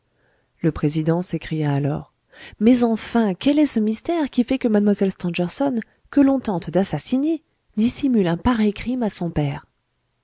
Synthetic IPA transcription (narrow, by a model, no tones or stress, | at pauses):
ləpχezid̪ɑ̃sekχijaːlɔ̰ːʁ | mɛzɑ̃fɛ̃kʲɛlɛsəmist̪ɛʁkʲifɛkəmad̪mwazɛlst̪ɑ̃dɛʁsɔn | kəlɔ̃t̪ɑ̃t̪d̪asasine | d̪isimylɛ̃paʁɛjkχimasɔ̃pɛːʁ